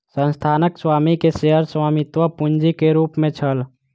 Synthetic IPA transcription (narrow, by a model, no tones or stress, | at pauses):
sə̃nst̪ʰaːnəkswaːmikeseɦəɾswaːmɪt̪wəpund͡ʒikeɾuːpmẽt͡ʃʰəl